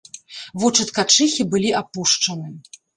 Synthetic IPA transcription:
vut͡ʂɐt̪kat͡ʂɨxʲibɨlʲiʔapuʂt͡ʂɐnɨ

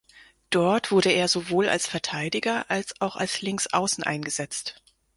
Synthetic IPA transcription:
d̥ɔɐtv̥ʊɐɾəeːɐzovoːla̰lsfɛɐtʰaɪdɪɡɐʔalsaʊxa̰lslɪŋsʔa̰ʊsn̩ʔa̰ɪnɡəzɛt͡st

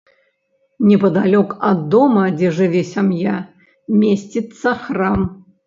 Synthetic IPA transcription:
nʲɛpɐd̪alʲɔkɐd̪ːɔmɐd͡zʲɛʐɨvʲɛsʲamja | mʲesʲtʲit̪sɐxram

